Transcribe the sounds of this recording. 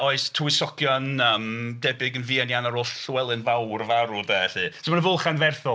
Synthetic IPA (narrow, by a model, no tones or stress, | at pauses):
oɨstʰuɪsɔkʰjɔnəːmdɛbɪɡənviːanjanaɾoːɬɬwɛlˠɨnvawrvaɾʊdɛɬɨːsɪmanəvʊlˠχanvɛrθɔ